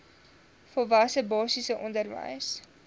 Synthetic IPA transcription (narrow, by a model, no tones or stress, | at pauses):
fəlˠvɐsəbɑːsisəʔɔndərvə̰js